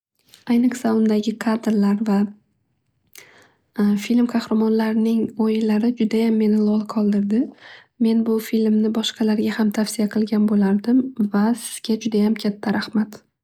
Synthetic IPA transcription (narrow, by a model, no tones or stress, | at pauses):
ajnɨχsaʊnd̪aɡʲɪkʰad̪ɾlaɾva | filmqʰɑhɾamɒnlaɾnɪŋojɪlːaɾɪd͡ʒʊd̪ajamːe̞nɪlˠɒlˠqʰɒlˠd̪ɪɾd̪ɪ | me̞nbʊfilmnɪbɒʃqʰɑlaɾɡʲahamt̪ʰafsijaqʰɨlˠɡʲanbolaɾd̪ɪmvasɪ̥z̥ɡʲad͡ʒʊd̪ajamkʲʰat̪ʰːaɾahmat̪